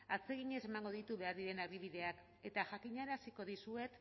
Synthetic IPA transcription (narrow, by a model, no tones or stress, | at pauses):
at͡se̞ɣ̞iɲe̞semaŋɡo̞ðit̪uβe̞aɾðiɾe̞naβiβ̞iðe̞ak | e̞t̪aʝakiɲaeɾasiko̞ðisue̞t̪